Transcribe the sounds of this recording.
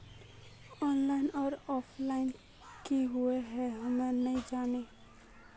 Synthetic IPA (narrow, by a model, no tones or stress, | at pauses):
ɔnlaɪnɔːɾɔpʰlaɪn | kiɦueɦɛɦamenəĩd͡ʒane